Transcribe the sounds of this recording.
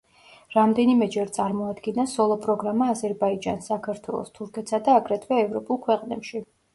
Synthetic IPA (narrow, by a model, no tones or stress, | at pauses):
ɾamd̪ɛnimɛd͡ʒɛɾt̪sʼaɾmɔad̪ɡinasɔlˠɔpʼɾɔɡɾamaːzɛɾbaid͡ʒa̰nsakʰaɾt̪ʰwɛ̰lˠɔ̰st̪ʰuɾkʰɛt̪sad̪aːɡɾɛt̪ʰvɛɛvɾɔpʼulˠkʰwɛqʼnɛpʃi